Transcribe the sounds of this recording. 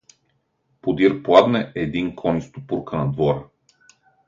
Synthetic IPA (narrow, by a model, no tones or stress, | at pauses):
pod̪iɾplˠad̪nɛʔɛd̪iŋkʰɔnist̪opuɾkənɐd̪vɔɾə